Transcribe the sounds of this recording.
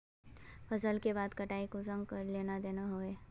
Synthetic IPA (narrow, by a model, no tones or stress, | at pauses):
pʰɐsəlkeβaːd̪kɐʈaːikozɐ̃ŋɡkleːnad̪eːnaɦoːeː